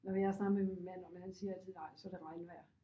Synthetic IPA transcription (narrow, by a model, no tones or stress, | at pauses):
nɒʋiæɐsnɑ̈ɡ̩ˠmeminmæn̰ɒ̽menhænsiːɐælt͡sʰiðˠnɑ̈ɪ̰sɒ̽ɾ̥e̝ʁɑ̈ɪnəʋæɐ̰